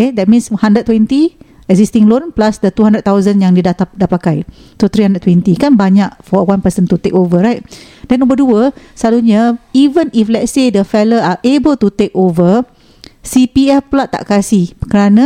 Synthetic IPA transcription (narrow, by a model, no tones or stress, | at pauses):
aj̚dɛt̚mĩnshãndəd̚t̪ːwɛ̃nt̪i | ɛkzistĩŋlonplasdət̪uhɦãndɾəd̪t̚t̪awzənjaŋdidat̪adapakajsot̪ɾihandɾəd̚twɛ̃nt̪ikanbaɲakfɔwãnpəsənt̪ut̪ekovəɹajt̚ | dɛ̃nːɔ̃mbəduəsəlaluɲaivə̃niflɛtsedəfɛləaʔebəlt̪ut̪ekovə | sipiɛfplaʔt̪ːa̰ʔkasihkəɾanã